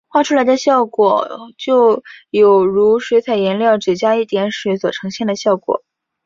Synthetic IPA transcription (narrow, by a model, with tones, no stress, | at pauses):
xwa˥˧ʈ͡ʂʰu˥la˧˥ɪd̪ə˧ɕjɑ˥˩ʊkwɔ˨˩˦t͡ɕjo˥˧ʊjo˨˩ʊɻu˧˥ʂwe˧˥t͡sʰa˨˩ɪjɛ˧˥nljɑ˥˩ʊʈ͡ʂɻ̩˨˩t͡ɕja˥i˥˩t̪jɛ˧˥nʂɻ̩˧˥swɔ˨˩ʈ͡ʂʰɤ˧˥ŋɕjɛ˥˩nd̪ə˩ɕjɑ˥˩ʊkwɔ̰˨˩˦